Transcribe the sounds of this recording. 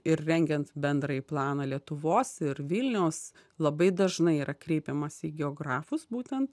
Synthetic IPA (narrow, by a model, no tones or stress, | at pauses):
ɪɾrʲɛŋʲɡʲɛnt̪bʲɛnd̪ɾɐiplˠɑːnɑlʲiɛt̪ʊʋoːsɪɾʋʲɪlʲnʲɛʊs | lˠɐbɐɪd̪ɐʒnɐɪiːɾɐkɾʲɛɪpʲɛmɐsʲiːɡʲɛoːɡɾɑːfʊsbuːt̪ʲɛnt̪